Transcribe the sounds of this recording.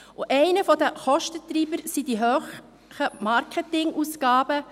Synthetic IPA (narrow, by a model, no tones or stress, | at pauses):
ʊʔɛɪnəfɔdəχɔʃtətriːbəɾsidiɦøːχ | χəmɑɾkɛtɪŋʔuːsɡ̥ɑːbə